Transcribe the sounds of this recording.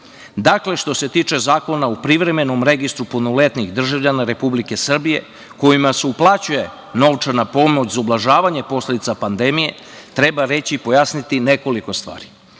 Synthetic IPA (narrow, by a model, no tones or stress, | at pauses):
d̪akle̞ʃt̪o̞se̞t̪iːt͡ʃe̞zaːko̞naupɾiʋɾe̞me̞nomɾeɡist̪ɾuponole̞t̪niɣd̪r̩ʒaʋʎanaɾe̞publike̞sr̩bije̞̰ | ko̞jimaseuplˠat͡ɕuje̞ | no̞ʋt͡ʃanapo̞mo̞t͡ɕzaoblˠaʒaːʋaɲe̞po̞sled̪it̪sapand̪e̞mije̞ | t̪ɾe̞baɾe̞t͡ɕiipo̞jasnit̪ine̞ko̞liko̞st̪ʋa̰ːɾi